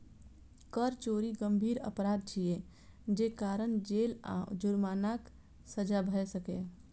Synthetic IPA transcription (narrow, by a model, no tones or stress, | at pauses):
kəɾt͡ʃoːɾiɡəmbʱiːɾə̰pɾaːd̪̚t͡ʃʰie | d͡ʒeːkaːɾənd͡ʒeːlã̰d͡ʒʊɾmaːnak | səd͡ʒabʱəɛsəke